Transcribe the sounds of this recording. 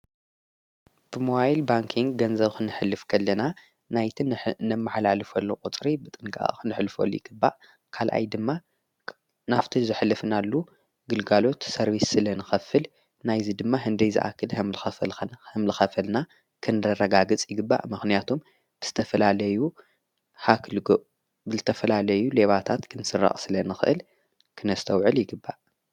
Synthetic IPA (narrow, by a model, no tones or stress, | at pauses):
b̥ɨmoajlbaŋkʰiŋɡːɐnzɐβkʰɨnɨħɨlːɨfkʰɐlːɐna | najt̪ʰinɐmːaħlalɨfɐlːokʼut͡s̪ʼɾibɨt̪ʼɨŋkʰʼa̰kɨnɨħlfɐ̰lːṵjɪɡ̥ɨbːa̰ʔ | kʰalʔa̰jd̪ɨmːa | naft̪ʰizɨħlːɨfnalːu | ɡɨlɡalo̞t̪sɐɾβisɨlɐnɨxɐfɨl | najzid̪ɨmːaɦɨnd̪ɐjzɨ̰ʔa̰kʰːɨlhɨmlɨxɐfɐlhɨmlɨxɐfɐlna | kʰɨnɨɾɐrɐɡaɡɨt͡sʼjɪɡɨbːa̰ʔmɨxnijat̪ʰo̞m | b̥ɨz̥ɨt̪ʰɐfɐlalɐju | hakʰlɡoʔ | bɨzɨt̪ʰɐfɐlalɐjule̞βat̪ʰat̪kʰɨnsɨrːa̰χʼsɨlɐnɨxɨʔɨl | kʰɨnɐst̪ʰɐwʕɨljɪɡɨbːaʔ